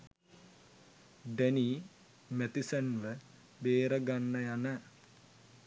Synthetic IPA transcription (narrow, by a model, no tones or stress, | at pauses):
ɖeni | met̪isɐnlə | beːɾɐɡanːɐjanə